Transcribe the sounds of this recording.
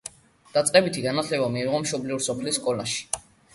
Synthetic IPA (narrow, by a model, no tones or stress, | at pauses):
d̪̥at̪sʼqʼɛbit̪ʰiɡanat̪ʰlɛbamiːʁɔmʃɔbliuɾsɔpʰlisːkʼɔlaʃi̥